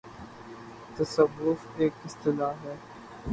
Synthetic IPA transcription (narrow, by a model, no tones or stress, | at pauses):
t̪ɐsɐʋːʊfeːkɪst̪ɪlaːɦɛː